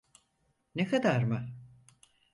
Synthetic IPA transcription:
nekʰad̪aɾmɯ

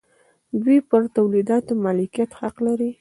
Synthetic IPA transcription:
d̪wipəɾt̪awlid̪ɑt̪omɑlikijat̪haqlaɾi

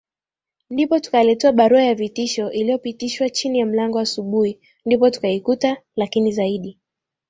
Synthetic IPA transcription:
ndipɔtu̥kalɛtɛaɓaɾuajavitiʃɔʔilijɔpitiʃwat͡ʃinijam̩laŋɡɔasuɓuhi | ndipɔtu̥kaikutalakinizaiɗi

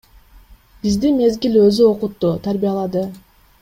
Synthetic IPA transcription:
b̥izd̪inme̞zɡilø̞zyo̞qut̪ːut̪ʰaɾbijɑlˠɑd̪ɯ

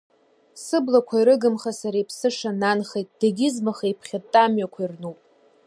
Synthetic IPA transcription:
sɨblakʷʰaiɾɨɡɨmχasaɾajpʰsɨʂananχejtʼd̥aɡʲɪzmaχajpʰχʲatʼːamɥakʷʰairnupʼ

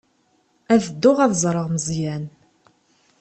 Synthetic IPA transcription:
æðəd̪ːʊʁæðzˤɾˤəʁməzjæn

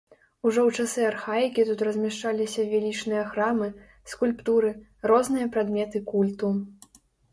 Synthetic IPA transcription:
uʐɔwt͡ʂasɨarxajikʲit̪ut̪rɐzʲmʲɛʂt͡ʂalʲisʲɐvʲalʲit͡ʂnɨjɐxɾamɨ | skulʲpt̪uɾɨ | rɔznɨjɐpɾad̪mʲɛt̪ɨkulʲt̪u

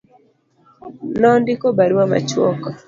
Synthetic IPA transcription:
nɔndɪkɔbaɾwama̰t͡ʃwɔkɔ

